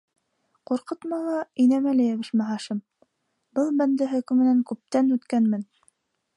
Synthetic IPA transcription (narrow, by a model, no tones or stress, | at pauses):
quɾqɤt̪mɑlˠɑinæmælæjæβɘ̆ʃmæɦɑʃɤm | bɤlˠbænd̪ɘɦɵ̆kɘ̆mɘ̆næŋkʉp̚t̪ænʉt̪kænmɘn